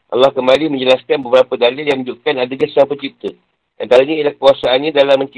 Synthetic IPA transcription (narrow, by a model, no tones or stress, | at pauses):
ʔa̰lːɑhkəmbalimə̃ɲd͡ʒəlaskanbəbəɾapədalɪljaŋməɲd͡ʒuʔkanadəɲasaŋpəɲt͡ʃip̚t̪ə | ʔa̰nt̪aɾaɲãilahkuasaːnɲãdalaməɲt͡ʃi